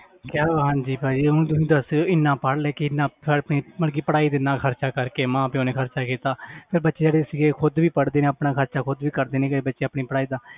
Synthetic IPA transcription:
kjaːɦãːɲd͡ʒiːpaːd͡ʒiːʊnũːt̪̬ʊsĩːd̪əsejoːɪnːãːpəɽlɛːkɪɪnːãːpʰɪɾəpɳiːməlk̬iːpəɽaːiːd̪eːnãːkʰəɾt͡ʃaːkəɾkeːmãːpẽːoːnẽːkʰəɾt͡ʃaːkiːt̪aːpʰɪɾbətːʃeːd͡ʒeːɽeːsiːɡeːkʰʊd̪ʋiːpəɽd̪eːnẽːəpnãːkʰəɾt͡ʃaːkʰʊd̪ʋiːkəɾd̪eːnẽːkəbətːʃeːapɳiːpəɽaːiːd̪aː

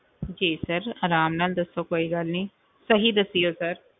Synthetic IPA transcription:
d͡ʒiːsɐɾaːɾaːmnɐld̪ɐsokoːiɡalnĩː | sɐɦid̪ɐsiːosɐɾ

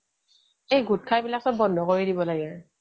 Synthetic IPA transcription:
ejɡut̚kʰabilak̚sɔbɔndʱɔkoɹidibɔlaɡɛ

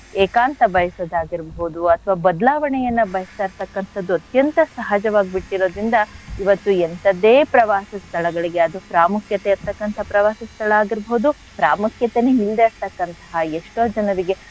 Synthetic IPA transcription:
eːkaːnt̪ɐbʱɐjɐsoːd̪aːɡiɾbɐɦud̪uɐt̪ʰɐʋaːbɐd̪laːʋɐɳɛjɐnːɐbɐjɐsɐːɾt̪ɐkːɐnt̪ʰɐd̪ːuɐt̪jɐnt̪ɐsɐɦad͡ʒɐʋaːɡibiʈːiɾo̞ːd̪ɾind̪ɐiʋɐt̪ːuent̪ɐd̪eːpɾɐʋaːsɐst̪ʰɐɭɐɡɐɭiɡe̞ɐd̪upɾaːmukʰjɐt̪eiɾt̪ɐkːɐnt̪ʰɐpɾɐʋaːsɐst̪ʰɐɭɐaːɡiɾbɐud̪u | pɾaːmukʰjɐt̪eneɦild̪eːɾt̪ɐkːɐnt̪ɐ̥ɦɐeʂʈoːd͡ʒɐnɐɾiɡe̞

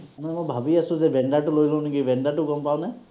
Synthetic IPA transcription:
amanɛmʊjbʱabiasʊ̃zɛbʱɛɳɖaʈʊlojlõniɡibɛɳɖaʈʊɡɔmpawna

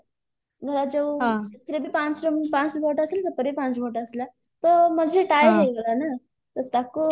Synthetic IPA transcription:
ɡʱəɾad͡zeʋt̪ʰɾebiːpat͡sɾəmpãt͡sbʱoʈəselt̪əpəɾepãt͡sbʱoʈəsla | t̪əm̤əd͡zʱeʈajɦeɡʱəɾana | t̪əst̪aku

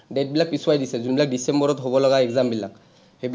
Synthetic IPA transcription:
det̚bilak̚piswajdisɛzunbilak̚disembɔɹɔtɦobɔlɔɡaɛɡzambilak̚ | heb

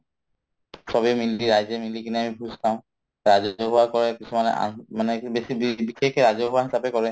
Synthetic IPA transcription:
sɔbɛmiliɹajzɛmilikiniamibʱũztʰãʊ̃ | ɹazɔɦuwakɔɹɛkisʰumanɛ̰ʔa̰manɛbesibibixekʰɛɹazɔɦuwaɦisapɛkɔɹɛ

